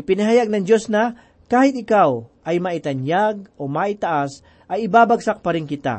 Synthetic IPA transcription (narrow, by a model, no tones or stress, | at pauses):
ʔɪpɪnɐɦajaɡ̚nɐŋd͡ʒosna | kaːhɪt̪̚ɪkaw | ɐjmaʔɪt̪ɐnjaɡ̚ʔomaʔɪt̪aʔas | ʔɐjɪbaːbaɡsak̚pɐɾɪŋkɪt̪a̰